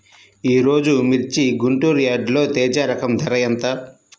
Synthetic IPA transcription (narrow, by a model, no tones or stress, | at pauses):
iːɾo̞ːd͡ʒumiɾt͡ʃiɡuɳʈuːɾjaːɖlo̞ːt̪ɛːd͡ʒaːɾɐkɐmd̪ʱɐɾɐjɐnt̪ɐ